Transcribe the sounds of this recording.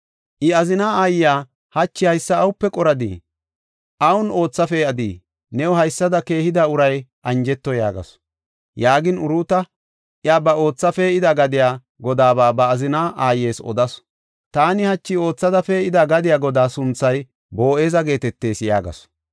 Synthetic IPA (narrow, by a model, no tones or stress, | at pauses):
ʔɪɐzɪnaːaːjɪjaː | hɐt͡ʃːɪhɐjsːɐːwʊpːɛkʼɔɾɐd̪ḭː | ʔɐwʊno̞ːt͡sːɐfeɐd̪ḭː | nɛwʊhɐjsːɐd̪ɐke̞ːhɪd̪aʊɾɐjʔɐnd͡ʒɛt̪ːɔjaːɡɐ̰s | jaːɡɪnʊɾuːt̪ɐ | ʔɪaːbɐo̞ːt͡sːɐfɛɪd̪ɐɡɐd̪ɪjaː | ɡɔd̪aːbaːbɐːzɪnaːʔaːjːe̞ːsɔ̰d̪ɐs | t̪aːnɪhɐt͡ʃːɪo̞ːt͡sːɐd̪ɐfɛɪd̪aɡɐd̪ɪjaːɡɔd̪aːsʊnt͡sːɐj | bo̞ːe̞ːzɐɡe̞ːt̪ɛt̪ːe̞ːsja̰ːɡɐ̰s